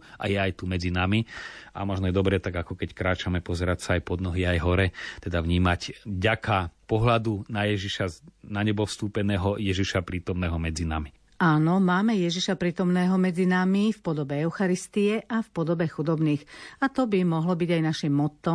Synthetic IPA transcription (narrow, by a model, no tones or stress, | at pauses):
ʔa̰jɛajt̪umɛd͡zinamia̰mɔʒnɔjɛd̪ɔbɾɛt̪aɡakɔkɛckɾaːt͡ʃamɛpɔzɛɾacsaːjpɔd̪nɔɦiajɦɔɾɛt̪ɛd̪avɲiːmacvɟakʰapɔɦlad̪unajɛʒiʃanaɲɛbɔfst̪uːpɛnɛːɦɔjɛʒiʃapɾiːt̪ɔmnɛːɦɔmɛd͡zina̰mi | aːnɔmaːmɛjɛʒiʃapɾiːt̪ɔmnɛːɦɔmɛd͡zinamifpɔd̪ɔbɛɛʊxaɾist̪iɛʔafpɔd̪ɔbɛxud̪ɔbniːxat̪ɔbimɔɦlɔbiɟajnaʃimːɔt̪ːɔ